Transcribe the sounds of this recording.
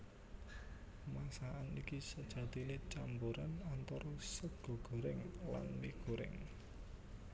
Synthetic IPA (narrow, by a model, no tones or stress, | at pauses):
masaanikisəd̥ʒ̥ä̤d̪inet͡ʃambuɾanant̪ɔɾɔsəɡ̥o̤ɡ̥o̤ɾɪŋla̰nmiɡ̥o̤ɾɪ̰ŋ